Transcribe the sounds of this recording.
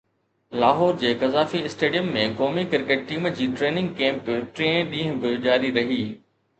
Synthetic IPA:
laːɦɔːɾd͡ʑeːkɐzaːfiɪsʈeːɖijəmːẽkoːmikɪɾkeːʈ̚ʈiːmd͡ʑiːʈɾeːnɪ̃ŋɡ̚kẽːmpʈɾẽːɗĩːɦʊ̃bɪd͡ʑaːɾiɾɐɦiː

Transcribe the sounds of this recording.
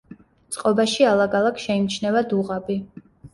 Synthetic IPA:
t̪sʼqʼɔbaʃialˠaɡalˠakʰʃɛimt͡ʃʰnɛvad̪uʁabi

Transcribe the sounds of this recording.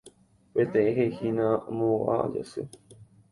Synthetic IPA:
pet̪ẽẽɦehinãmõa̰d͡ʒa̰sɨ̰

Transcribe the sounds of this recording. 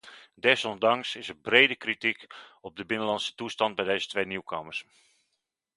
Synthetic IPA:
dɛsɔndɑŋsɪsəbrejdəkritikɔb̚dəbɪnəlɑnsə̥tustɑnd̚bɛjdejzətʋejniwkʰaːmərs

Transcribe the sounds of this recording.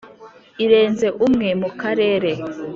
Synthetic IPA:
iɾe̞ːnze̞ʔumŋe̞mukaɾe̞ːɾe̞

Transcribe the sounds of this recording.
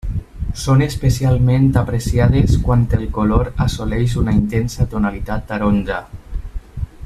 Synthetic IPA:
sonespesialˠmẽnt̪apɾesiað̞eskwant̪elˠkoloɾasolɛʃunaint̪ensat̪onalit̪at̪̚ːaɾonʲd͡ʒa

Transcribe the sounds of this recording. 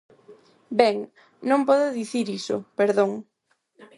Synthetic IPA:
bɛŋ | nõmpɔðʊðiθiɾisʊ̰peɾðoŋ

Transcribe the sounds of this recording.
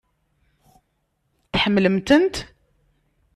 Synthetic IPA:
t̪ħəmːləmt̪ənt̪

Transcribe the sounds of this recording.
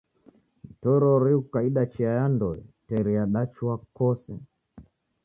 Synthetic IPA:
itɔɾɔɾiukaiɗat͡ʃiajandɔɛtɛɾiaɗat͡ʃuakɔsɛ

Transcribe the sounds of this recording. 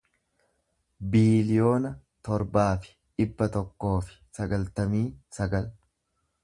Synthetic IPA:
biːlɪjo̞ːnɐ | t̪ɔɾbaːfɪ̥ᶑɪbːɐt̪ɔkːo̞ːfɪ̥sɐɡɐlt̪ɐmiːsɐɡɐl

